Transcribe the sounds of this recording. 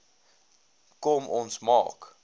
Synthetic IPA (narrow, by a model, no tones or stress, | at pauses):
kɔmɔnsmɑ̰ːk